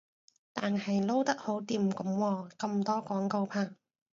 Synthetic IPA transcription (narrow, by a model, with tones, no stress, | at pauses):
t̪aː˨nhɐ˨jlo˥wt̪ɐ˥k̚ho˨˥wt̪iː˨˩mkʊ˨˥mwɔː˧kɐ˧mt̪ɔː˥kɔː˨˥ŋko˧wpʰaː˧˥ŋ